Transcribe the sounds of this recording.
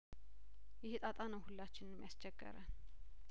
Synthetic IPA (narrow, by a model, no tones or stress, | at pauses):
jɪhɨt̪ʼat̪ʼanəwhulːat͡ʃːɪnɨmjast͡ʃʼːɛɡ̥ːə̰ɾən